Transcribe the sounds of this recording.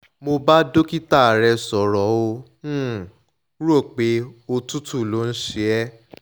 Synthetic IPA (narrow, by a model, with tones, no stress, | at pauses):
mo˧ba˦do˦ki˦ta˦˨ɾɛ˧sɔ˨ɾɔ˨˦õ˧˦ | ɾu˦o˦˨k͡pe˨˦o˧tu˦tu˦˨lo˨˦n̩˦ʃe˦ɛ˦